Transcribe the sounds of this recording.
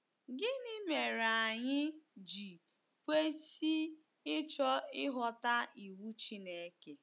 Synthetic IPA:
ɡɪ˦ni˦me˨ɾa˨ɲɪ˦d͡ʒi˨ | kʷe˦si˦ | ɪ˦t͡ʃɔ˦ɪ˦ɦɔ˦ta˦i˨wu˦t͡ʃi˦ne˦ke˨

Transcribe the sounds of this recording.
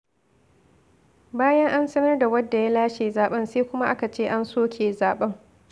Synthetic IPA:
baː˦jɐ˦ŋʔa˦nsɐ˦mɐ˦rda˨wɐ˦dːa˨ja˦laː˦ʃeː˨zaː˨ɓɐ˦nseː˦kʷʊ˦ma˦ʔa˦ka˨t͡ʃeː˦ʔa˦nsoː˦kʰʲeː˨zaː˨ɓɐ˦ŋ

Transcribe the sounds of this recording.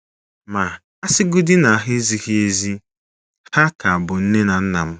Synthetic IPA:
ma˨ | a˦sɪ˦ɡʊ˦dɪ˦na˨a˨ɦɪ˦zi˦ɣi˦e˦zi˦ | ha˦ka˨a˨bʊ˨n̩˦ne˦na˨n̩˦na˨m̩˦

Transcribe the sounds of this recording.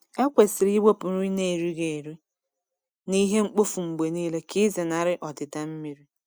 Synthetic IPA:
e˦kʷe˨sɪ˨ɾi˦ɡ͡be˦pʊ˨ɾu˦i˦ne˨ɾi˦ɡe˨ɾi˦ | ni˦ɦe˦ŋ͡m̩˦k͡po˦fu˨ŋ͡m̩˨ɡ͡be˨niː˦le˦kɪ˦zɪ˨na˨ɾɪ˦ʔɔ˨dɪ˨ta˦m̩˦mi˦ɾi˦

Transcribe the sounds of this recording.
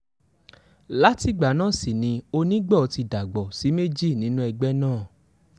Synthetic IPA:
la˨˦ti˦ɡ͡ba˨˦nãː˦˨si˨nĩ˧o˧nĩ˦ɡ͡bɛ˦˨ɔ˧ti˧da˨ɡ͡bɔ˨si˨˦me˦d͡ʒi˦˨nĩ˨˦nũ˦ɛ˧ɡ͡bɛ˦nãː˦˨

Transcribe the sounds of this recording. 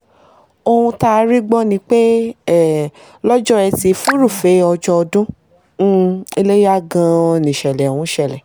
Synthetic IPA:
o˧hũ˧ta˦˧˦ɾi˦ɡ͡bɔ˦nĩ˧˦k͡pe˦˨ | lɔ˦d͡ʒɔ˦ɛ˧ti˧fu˦ɾu˦˨fe˨˦ɔ˧d͡ʒɔ˦ɔ˧dũ˦˨ | e˧le˦ja˦˨ɡã˧nĩ˨ʃɛ˨lɛ˨o˨hũ˨˦ʃɛ˦˨lɛ˨

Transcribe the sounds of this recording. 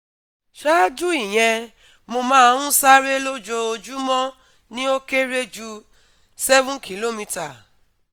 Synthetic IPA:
ʃa˦d͡ʒu˦i˦˨j̃ɛ̃˧ | mo˧mãː˦hũ˦sa˦ɾe˦lo˦d͡ʒo˧o˧d͡ʒu˦mɔ̃˦ | nĩ˦o˦ke˦ɾe˦d͡ʒu˧ | sɛ˦vũ˦nkʰi˨lo˦mĩ˧ta˨

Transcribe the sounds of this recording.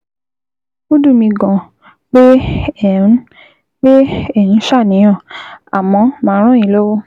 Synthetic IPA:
o˦du˦˨mĩ˧ɡɔ̃˨ | k͡pe˦˨˦ | k͡pe˦e˦˨nĩ˨˦ʃa˦˨nĩ˨˦ã˦˨a̰˨mɔ̃˧˦mãː˨˦ɾ̃ũ˦ĩ˧˦lo˦wo˦

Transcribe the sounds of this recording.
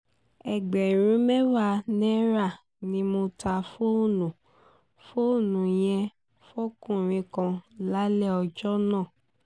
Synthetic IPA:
ɛ˨ɡ͡bɛ˨ɾ̃ũ˨˦mɛ̃˦wa˦˧˨nɛ̃˦ɾa˦˨ | nĩ˧˦mõ˧ta˧fo˦˨nũ˨ | fo˦o˦˨nũ˨j̃ɛ̃˧ | fo˦kũ˦˨ɾ̃ĩ˧kã˧la˦lɛ˦˨ɔ˧d͡ʒɔ˦nã˦˨

